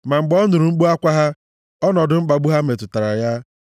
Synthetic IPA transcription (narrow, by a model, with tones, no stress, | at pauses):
ma˨ŋ͡m̩˨ɡ͡bɔ˦nu˨ɾu˨ŋ͡m̩˦k͡pu˦a˦kʷa˦ɦa˦ | ɔ˦nɔ˨dʊ˦ŋ͡m̩˦k͡pa˨ɡ͡bu˦ɦa˦me˨tʊ˨ta˨ɾa˨ja˦